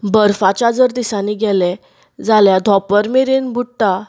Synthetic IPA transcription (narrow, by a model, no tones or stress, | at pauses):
bəɾfat͡ɕad͡zəɾd̪isaniɡɛlɛ | d͡zaljad̪ʱɔpəɾmeɾenbuʈ̪ːa